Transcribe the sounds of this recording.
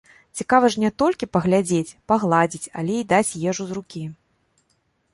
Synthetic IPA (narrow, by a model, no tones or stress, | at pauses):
t͡sʲikavɐʐnʲɛt̪ɔlʲkʲipɐɣlʲad͡zʲet͡sʲpaɣlˠad͡zʲit͡sʲa̰lʲɛid̪at͡sʲjɛʐuzrukʲi